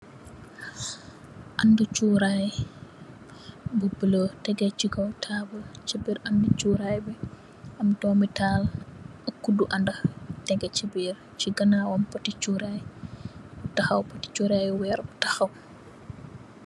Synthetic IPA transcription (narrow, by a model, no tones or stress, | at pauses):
ʔɐndut͡ʃuɾaj | bubəlotɛɡɛt͡ʃiɡɐwtʰabət͡ʃibiɾɐndut͡ʃuɾajbi | ɐmtɔːmitaːləkːuduʔɐndɐtɛɡɛt͡ʃibir | t͡ʃiɡɐnawɔmpɐtit͡ʃuɾaj | tɐxɐwpɐti̥t͡ʃuɾajwɛɾbtɐxɐw